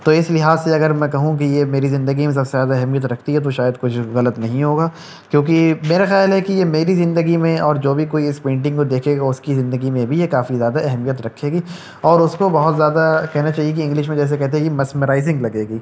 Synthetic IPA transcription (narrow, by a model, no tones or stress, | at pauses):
t̪oɪslɪɦaːzseɐɡəɾmɛ̃kɐɦũk̬ijemeːɾizɪ̃nd̪əɡimẽs̬ɐbsezjaːd̪aɛɦɛmijət̪ɾɐkʰt̪iɦɛt̪̬oʃaːjəd̪kʊt͡ʃʰɣɐlət̪nɐɦĩɦoːɡaː | kjõːk̬imeːɾaxjaːlɦɛkijemeːɾizɪ̃nd̪əɡimẽɔːɾd͡ʒoːbʱikoːiɪspẽːɳʈɪ̃ŋɡkod̪eːkʰeːɡaʊskizɪ̃nd̪əɡimẽbʱijekaːfizjaːd̪aɛɦɛmijət̪ɾɐkʰːeːɡiː | ɔːɾʊskobɐɦʊt̪zjaːd̪akɛɦnat͡ʃaːɦiek̬iɪ̃ŋɡlɪʃmẽd͡ʒɛːs̬ekɛɦt̪̬eɦɛkimɐsməɾaːɪzɪ̃ŋɡlɐɡeːɡiː